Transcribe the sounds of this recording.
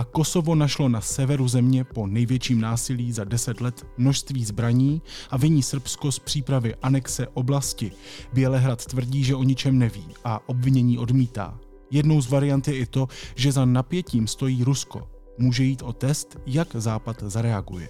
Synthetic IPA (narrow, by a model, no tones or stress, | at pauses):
ʔako̞so̞vo̞naʃlo̞nasɛvɛɾuzɛmɲɛpo̞nɛjvjɛt͡ʃiːmnaːsɪliːzadɛsɛt̪lɛt̪ | mno̞ʃst̪viːzbɾaɲiːʔavɪɲiːsr̩psko̞spr̥iːpɾavɪʔanɛksɛʔo̞blascɪbjɛlɛɦɾat̪t̪vr̩ɟiːʒɛʔo̞ɲɪt͡ʃɛmnɛvḭːʔaʔo̞bvɪɲɛɲiːʔo̞dmiːt̪a̰ː | jɛdno̞wzvaɾɪjant̪jɛʔɪt̪o̞ʒɛzanapjɛciːmst̪o̞jiːɾusko̞̰ | muːʒɛjiːt̪ʔo̞t̪ɛst̪jakzaːpat̪zaɾɛaɡṵjɛ̰